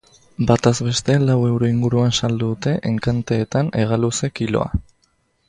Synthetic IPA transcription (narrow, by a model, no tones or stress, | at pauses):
bat̪azβe̞st̪e̞lawe̞wɾo̞iŋɡuɾuansald̪uðut̪e̞ʔeŋkant̪e̞ːt̪ane̞ɣ̞aluse̞kilo̞̰a̰